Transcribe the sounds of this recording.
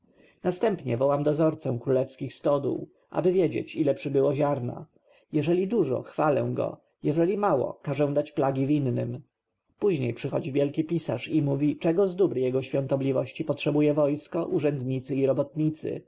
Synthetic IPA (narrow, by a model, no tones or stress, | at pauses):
nast̪ɛmpɲɛvɔwamd̪ɔzɔɾt̪sɛw̃kɾulɛfskʲixst̪ɔd̪ṵw | ʔa̰bɘvʲjed͡ʑḛt͡ɕilɛpʂɘbɘwɔʑaɾna̰ | jɛʐɛlʲid̪uʐɔ̰xfalɛ̰w̃ɡɔ̰ | jɛʐɛlʲimawɔ̰kaʐɛw̃d̪at͡ɕplaɡʲivʲinːɘm | puʑɲejpʂɘxɔ̰d͡ʑivʲjɛlkʲipʲisaʂimuvʲit͡ʂɛɡɔzd̪ubɾɘjɛɡɔɕfʲjɔ̃nt̪ɔblʲivɔɕt͡ɕipɔtʂɛbujɛvɔjskɔʔuʐɛnd̪ɲit̪sɘiɾɔbɔt̪ɲit̪sɘ̰